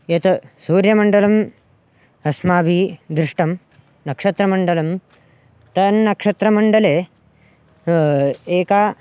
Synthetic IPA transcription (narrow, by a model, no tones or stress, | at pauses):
jɐt̪ɐsuːɾjɐmɐɳɖɐlɐm | ɐsmaːbid̪ɾɪʂʈɐm | nɐkʂɐt̪ɾɐmɐɳɖɐlɐm | t̪ɐnːɐkʂɐt̪ɾɐmɐɳɖɐleː | eːkaː